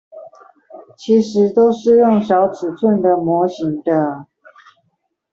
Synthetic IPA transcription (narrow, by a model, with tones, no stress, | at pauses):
t͡ɕʰi˧˥ʂɻ̩˧˥t̪o˥ʊʂɻ̩˥˧ɻʊ˥˩ŋɕjɑ˧˥ʊt͡sʰɹ̩˨˩t͡sʰwə˥˩nd̪ə˩mwɔ˧˥ɕi˧˥ŋd̪ə˧